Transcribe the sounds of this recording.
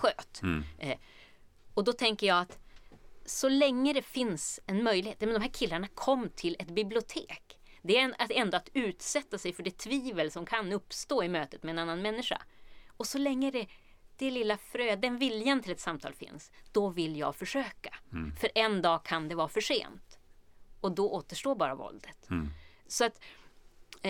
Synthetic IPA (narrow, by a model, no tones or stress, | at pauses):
ɧøːt̪ | ɔd̪ɔt̪ʰɛŋkəjɑːat̪ | sɔlɛŋːəd̪ɛfɪnsɛnmœjlɪheːt̪mɛnd̪ɔmɦæːɾkʰɪlːaɳakʰɔmːt̪ʰɪlɛt̪bɪblɪʊt̪ʰeːk | d̪ɛaɛnd̪oat̪ʉ̟ːt̪sɛt̪ːasɛjfœɖɛt̪ʰviːvəlsɔmkʰanɵpːst̪oːɪmøːt̪ət̪mɛːnanːanmɛnːɪʂa̰ɔsɔlɛŋːəd̪ɛ | d̪̥ɛlɪlːafɾøːd̪ɛnvɪljant̪ʰɪlɛt̪samt̪ʰɑ̰ːlfɪ̰nsd̪̥ɔvɪljɑ̰ːɡfœʂøːkḁfœɾʔɛnd̪ɑːkʰand̪ɛvɑːfœʂḛːnt̪ | ɔd̪ɔʔoːt̪əʂʈoːɾbɑːɾa̰vɔ̰ld̪ət̪sɔat̪